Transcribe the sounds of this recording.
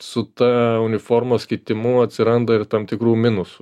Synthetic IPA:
sʊt̪ɑːʊnʲɪfoːɾmoːsʲkʲɪt̪ʲɪmʊɐt̪ʲsʲɪɾɐnd̪ɐɪrt̪ɐmt̪ʲɪkɾuːmʲɪnʊsʊ

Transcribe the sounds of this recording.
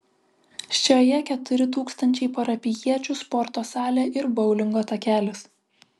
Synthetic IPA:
ʃʲt͡ʃʲoːjɛkʲɛt̪ʊɾʲɪt̪uːkst̪ɐnʲt͡ʃʲɛɪpɐɾɐpʲɪjiɛt͡ʃʲuˑspɔɾt̪oːsɑːlʲeːʔɪɾbɒʊlʲɪŋɡoːt̪ɐkʲæːlʲɪs

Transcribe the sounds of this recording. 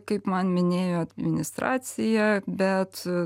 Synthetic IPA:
kɐɪpmɐnmʲɪnʲeːjoːɐd̪ʲmʲɪnʲɪst̪ɾɑ̰ːt̪sʲɪjɛbʲɛt̪

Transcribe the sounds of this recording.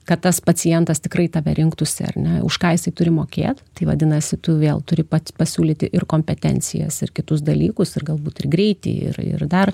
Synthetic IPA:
kɐt̪t̪ɐspɐt͡sʲɪjɛnt̪ɐst̪ʲɪkrɐɪt̪ɐʋʲɛɾʲɪŋkt̪ʊsʲɪ̰ɐ̰rʲnʲɛʊ̰ʃkɑːjɪsɐɪt̪ʊɾʲɪmoːkʲḛːt̪t̪ɐɪʋɐ̰d̪ʲɪnɐsʲɪt̪ʊʋʲeːlˠt̪ʊɾʲɪpɐpɐsʲuːlʲiːt̪ʲɪʔɪrkoːmʲpʲɛt̪ʲɛ̰nʲt͡s̪ʲɪ̰jɛ̰sɪrkʲɪt̪ʊs̬d̪ɐlʲiːkʊsɪrɡɐlˠbuːt̪ɪrɡɾʲɛɪt̪ʲɪ̰ɪ̰rɪ̰rd̪ɐr

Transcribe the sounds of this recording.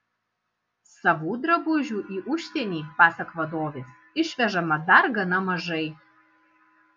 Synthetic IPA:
sɐʋuːd̪ɾɐbʊʒʲuːʔiːʔʊʃʲt̪ʲɛnʲiːpɑːsɐkɐʋɐd̪oːʋʲes | ɪʃʲʋʲɛʒɐmɐd̪ɐɾɡɐnɐmɐʒɐɪ

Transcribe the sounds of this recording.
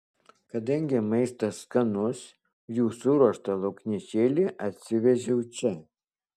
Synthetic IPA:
kɐd̪ɐŋʲɡʲɪmɐɪst̪ɐskɐnʊs | juːsʊɾuɔʃt̪ɐlˠɐʊkʲnʲit͡ʃʲeːlʲɪʔɐt̪ʲsʲɪʋʲɛʒʲɛʊt͡ʃʲɛ

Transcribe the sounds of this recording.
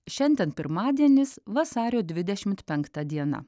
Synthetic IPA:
ʃʲɛnʲd̪ʲɛnpʲɪɾmɑːd̪ʲiɛnʲɪsʋɐsɑːɾʲoːd̪ʲʋʲɪd̪ʲɛʃʲɪmt̪pʲɛŋkt̪ɐd̪ʲiɛnɐ̰

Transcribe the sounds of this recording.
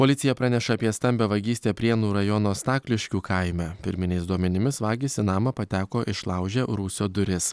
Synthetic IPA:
poːlʲɪt̪sʲɪjɛpɾɑːnʲɛʃɐɐpʲiɛst̪ɐmʲbʲɛʋɐɡʲiːsʲt̪ʲeːpʲɾʲiɛnuːɾɐjɔnoːst̪ɑːklʲɪʃʲkʲuːkɐɪmʲɛpʲɪ̰ɾʲmʲɪnʲɛɪsd̪uɔmʲɛnʲɪmʲɪsʋɑːɡʲisʲɪnɑːmɐpɐt̪ʲæːkoːʔɪʃlˠɑʊʒʲɛɾuːsʲoːd̪ʊɾʲɪs

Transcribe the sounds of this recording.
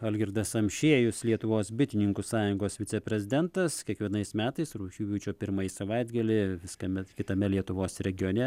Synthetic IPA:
ɐlʲɡʲɪɾd̪ɐsɐmʲʃʲeːjʊslʲiɛt̪ʊʋoːsbʲɪt̪ʲɪnʲɪŋkusɑːjʊŋɡoːsʋʲɪtt͡s̪ʲɛpʲɾʲɛzʲɪd̪ʲɛnt̪ɐskʲiɛkʋʲiɛnɐɪsmʲæːt̪ɐɪsɾuːʃʲuːʋʲuːt͡ʃʲoːpʲɪɾmɐisɐʋɐɪd̪ɡɐlʲɪʋʲɪskɐmʲɛkʲɪt̪ɐmʲɛlʲiɛt̪ʊʋoːsɾʲɛɡʲɪjoːnʲɛ

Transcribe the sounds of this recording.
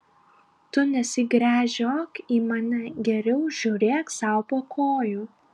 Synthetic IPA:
t̪ʊnʲɛsʲɪɡɾʲæːʒʲoːkiːmɑnʲɐɡʲɛɾʲɛʊʒʲuːɾʲeːksɑˑʊpoːkʰoːjuː

